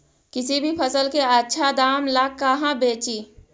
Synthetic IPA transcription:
kɪsibʱipʰəsəlkeətːʃʰad̪aːmlakːaɦãbeːt͡ʃiː

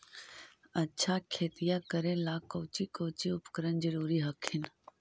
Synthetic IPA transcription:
ɐtːʃʰakʰeːt̪ɪjakəɾẽlaːkoːt͡ʃikoːt͡ʃiʊpkəɾənd͡ʒəɾuːɾiɦəkʰɪn

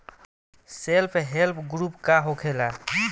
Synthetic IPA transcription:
selpʰɦelpʰɡɾupkaɦokʰela

